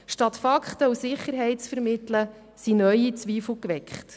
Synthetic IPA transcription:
ʃtɑt̪fɑkχtəusɪχəɾɦɛɪtt͡sfəɾmɪtlə | sinœʏit͡sʋiːfl̩kʋɛkχt

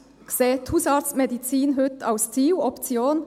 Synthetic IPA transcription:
kseːt̪ʰuːsɑːɾt̪smɛd̪ɪsiːnɦʉt̪ʰɑʊst̪ʰiːʊɔp̪sɪoːn

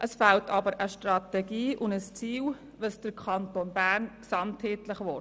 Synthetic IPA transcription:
ʔəsfaltʰɑbəɾʔəʃtrɑtɛɡiːʔʊndəst͡siːl | ʋəsd̥əɾkʰɑntonbæːɾnksɑntheːtləχʋɔ

